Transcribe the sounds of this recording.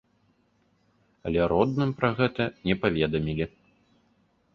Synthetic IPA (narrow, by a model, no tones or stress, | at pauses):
ɐlʲɛɾɔd̪nɨmpɾɐɣɛt̪ɐnʲɛpavʲɛd̪ɐmʲilʲi